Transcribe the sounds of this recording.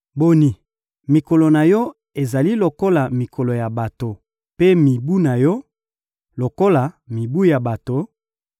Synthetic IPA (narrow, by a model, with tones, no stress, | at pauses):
bo˨ni˨ | mi˨ko˨lo˨na˨jɔ˦ | e˨za˨li˦lo˨ko˦la˨mi˨kʰo˨lo˨ja˨ba˨to˨ | pe˦mi˨bu˦na˨jɔ˦ | lo˨ko˦la˨mi˨bu˦ja˨ba˨to˨